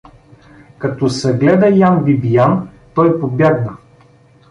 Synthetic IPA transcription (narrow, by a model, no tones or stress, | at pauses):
kɐt̪ɔsɛɡlɛd̪ɐjanvibijant̪ɔjpobʲaɡnə